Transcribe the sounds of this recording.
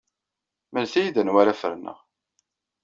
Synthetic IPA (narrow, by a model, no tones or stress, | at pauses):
mənθijiðənwaɾafə̰ɾnə̰ʁ